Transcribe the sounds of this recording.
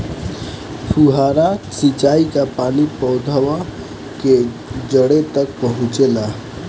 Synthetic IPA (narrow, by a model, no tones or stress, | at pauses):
pʰuɦaːɾasit͡ʃaːikapaːnipəʊd̪ʱaʋa | ke | d͡ʒəɽet̪ək̚pəɦʊ̃t͡ʃela